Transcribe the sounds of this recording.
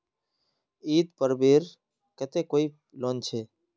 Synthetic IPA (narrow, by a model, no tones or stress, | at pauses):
iːt̪pəɾbeːɾ | kət̪eːkoːiː | loːnt͡ʃʰeː